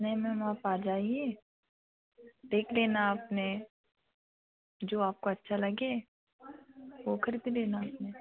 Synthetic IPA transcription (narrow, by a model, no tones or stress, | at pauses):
nɐɦĩmɛ̃maːpaːd͡ʒaːieː | d̪eːkʰleːnaaːpne | d͡ʒoːaːp̚koɐtːʃʰalɐɡe | ʋokʰɐɾid̪id̪eːnaaːpne